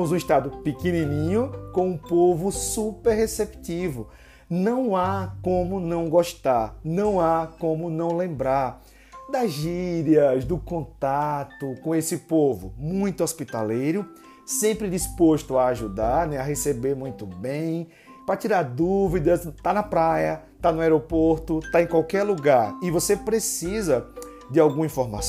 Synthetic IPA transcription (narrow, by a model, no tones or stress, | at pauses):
mʊzũiʃt̪ad̪ʊpikenĩnĩɲʊkõũpovʊsupeɾɦesept̪ivʊ | nɐ̃w̃akõmʊnɐ̃w̃ɡɔʃt̪aɾnɐ̃w̃akõmʊnɐ̃w̃lẽmbɾaɾ | d̪ɐziɾɐzd̪ʊkõnt̪at̪ʊkõesɪpovʊ̰mũj̃t̪ʊɔspit̪a̰lejɾʊ | sẽmpɾɪd̪ispoʃt̪ʊaːʒud̪aɾnɛaɦesebeɾmũj̃t̪ʊbẽj̃ | pɾɐt̪iɾaɾd̪uvid̪ɐst̪anɐpɾajɐ | t̪anʊaɛɾopoɾt̪ʊt̪aẽj̃kwawkɛɾluɡaɾɪvosepɾesizɐ | d͡ʒ̪ɪawɡũmɐĩfɔɾmas